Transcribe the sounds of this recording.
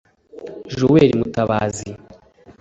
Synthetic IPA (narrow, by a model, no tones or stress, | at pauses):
ʒʒoweɾimutaβaːzi